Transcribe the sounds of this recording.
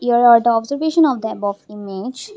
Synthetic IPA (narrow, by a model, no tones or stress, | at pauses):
iəɾɔɾd̪əɔbzəɾʋeːʃə̃nɔʋd̪əbɔfimed͡ʒ